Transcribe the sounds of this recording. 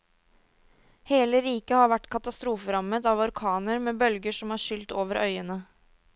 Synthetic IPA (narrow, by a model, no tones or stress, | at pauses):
heːləɾiːkəhɑɾʋæʈːkʰɑt̪ɑst̪ɾuːfəɾɑmət̪ɑʋɔɾkʰɑːnəɾmeːbœlɡəʂɔmhɑːʃʏlt̪oːʋəɾʔœ̰ʏənə